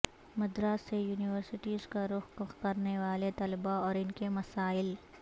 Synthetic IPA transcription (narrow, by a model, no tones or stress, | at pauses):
mɐd̪ɾaːsejuːnɪʋəɾsɪʈiːzkaɾʊxkʊxkɐɾneʋaːlet̪ɐlbaɔːɾɪnkemɐsaːɪl